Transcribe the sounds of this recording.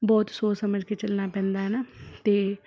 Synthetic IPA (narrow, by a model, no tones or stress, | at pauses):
bɔːt̪soːsəməd͡ʒket͡ʃəlnapɛ̃ːnd̪aːɦɛnaːt̪eː